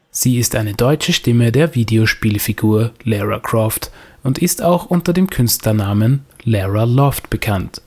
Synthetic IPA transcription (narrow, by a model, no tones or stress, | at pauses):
z̥iːɪstʔaɪnədɔʏt͡ʃəʃtɪmədeːɐviːdeoʃpiːlfiɡuːɐlɛʁa̰kʁ̥ɔftʔʊntɪstaʊxʔʊntɐdeːmkʰʏnstlɐnaːmənlɛʁalɔftb̥əkʰant